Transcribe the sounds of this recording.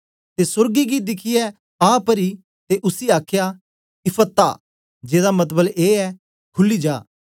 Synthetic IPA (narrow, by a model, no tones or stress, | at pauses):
t̪esʊɾɡiɡid̪ɪkʰɪjɛ | aːpəɾi | t̪eʔʊsiaːkʰja | ɪpʰət̪ːa̰ː | d͡ʒeːd̪amɐt̪bəleːɛ | kʰʊlid͡ʒaː